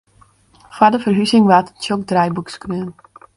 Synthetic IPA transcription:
fwadəfərɦysɪŋʋattjok̚drɛjbukskrøən

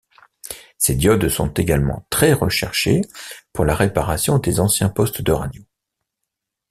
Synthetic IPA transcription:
sed̪jɔd̪sɔ̰̃t̪eɡalmɑ̰̃t̪χɛʁəʃɛʁʃḛpuʁlaʁepaʁasjɔ̃d̪ezɑ̃sjɛ̃pɔst̪d̪əʁa̰d̪jo

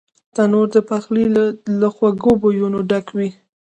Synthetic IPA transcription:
t̪anoɾd̪əpaxliləxwaɡobojunoɖakwi

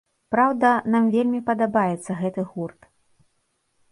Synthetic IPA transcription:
pɾawd̪ɐnamvʲelʲmʲipɐd̪abajɛt̪sːɐɣɛt̪ɨɣurt̪

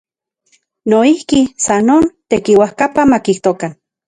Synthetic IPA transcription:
noihkisanoːnt̪ekiwahkapamakiht̪okan

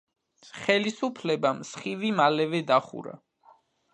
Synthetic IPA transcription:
χɛlisupʰlɛbamsχivimalɛvɛd̪aχṵɾa̰

